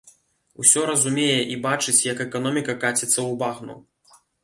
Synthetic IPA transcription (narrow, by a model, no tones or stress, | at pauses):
usʲɔɾɐzumʲejɛʔibat͡ʂɨt͡sʲjɐkɛkan̪ɔmʲikɐkat͡sʲɛt̪sːɐwbaɣnṵ